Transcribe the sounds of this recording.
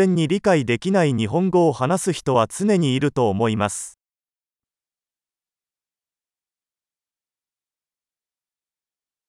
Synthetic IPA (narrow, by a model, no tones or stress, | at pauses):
ẽ̞ɲ̟ːiɾʲikaid̪e̞kʲinaiɲ̟iɦõ̞ŋɡo̞ːhanasɨçi̥t̪o̞βat͡sɨne̞ɲ̟iːɾɯ̟t̪o̞ːmo̞imasɨ̥